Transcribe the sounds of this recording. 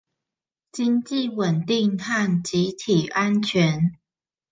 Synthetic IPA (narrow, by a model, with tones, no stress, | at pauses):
t͡ɕi˦˥ŋt͡ɕi˥˨wə˨˩nt̪i˥˧ŋha˥˨nt͡ɕi˨˦t̪ʰi˨˩ʔa˦nt͡ɕʰɥɛ˨˦n